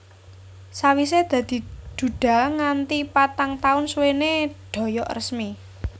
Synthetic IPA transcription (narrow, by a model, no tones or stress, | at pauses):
sawised̪̥ä̤d̪̥i̤d̪̥ṳɖ̥a̤ŋant̪ipat̪aŋt̪aʊnsweneɖ̪̥ɔ̤jɔʔrəsmi